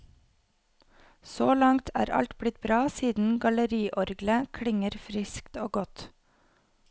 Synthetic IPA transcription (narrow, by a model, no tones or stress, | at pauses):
soːlɑŋt̪ʰæ̰ːɾɑ̰lt̪bɽɪt̪bɾɑːsiːd̪n̩ɡɑləɾiːʔɔɾɡləkʰɽɪŋəɾfɾɪskt̪oːɡɔt̪